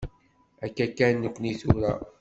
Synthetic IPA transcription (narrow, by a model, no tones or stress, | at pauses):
ækːækːænːəkʷːniθuɾæ̰